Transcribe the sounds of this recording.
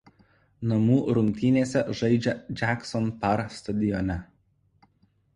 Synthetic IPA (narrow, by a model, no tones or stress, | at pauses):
nɐmuːɾʊŋʲkʲt̪ʲɪnʲeːsʲɛʒɐɪd͡ʒʲɛd͡ʒʲæksɔnpɐɾst̪ɐd̪ʲɪjɔnʲɛ